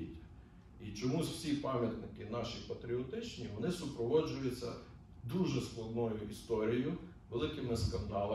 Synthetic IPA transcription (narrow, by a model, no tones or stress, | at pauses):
itʲːɐ̥ | it͡ʃɔmuzw̥sʲipɑmʲjɐt̪nɪkɪnɑʃipɐt̪ɾʲiɔt̪ɪt͡ʃnʲiʋɔnɪsʊpɾɔʋɔd͡ʒʊjʊt͡sʲːɐ̰ | d̪uʒɛsklˠɐd̪nɔjʊʔist̪ɔɾʲijʊ | ʋelˠɪkɪmɪskɐnd̪ɑlˠ